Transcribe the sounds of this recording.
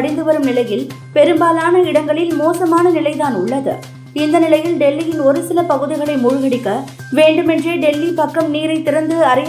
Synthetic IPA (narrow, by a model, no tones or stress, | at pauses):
ɽɪnd̪ɯʋɐɾɯmnɪlɐjɪl | pɛɾɯmbaːlaːnɐɪɽɐŋɡɐɭɪlmoːsɐmaːnɐnɪlɐɪt̪aːnʊɭːɐðɯ̰ | ɪnd̪ɐnɪlɐjɪlɖɛlːɪjɪnɔɾɯsɪlɐpɐɣɯðɪɣɐɭɐɪmʊɻʊɣɐɽɪkːɐ | ʋeːɳɖɯmɛndreːɖɛlːipɐkːɐmniːɾɐɪt̪ːɪɾɐnd̪ɯɐɾɐj